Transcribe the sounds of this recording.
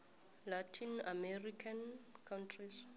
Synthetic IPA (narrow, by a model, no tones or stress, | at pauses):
latʰinamɛrikʰankʰawntʰris